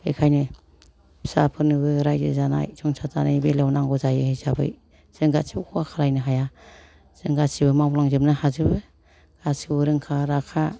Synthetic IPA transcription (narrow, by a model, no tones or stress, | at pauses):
ḛkʰajnɯ̥ | sa̰pʰɯnɯɡɯɾajzɯzana̰jsʰɔŋsʰazanajbelawnaŋɡɔzajɯhezabɯ̰j | z̥ɯŋɡasibukʰɔwakʰalajnɯɦaja | z̥ɯŋɡasibɯmalaŋzɯmnahazɯbɯ | ɡ̥asiwɾɯŋkʰaɾakʰa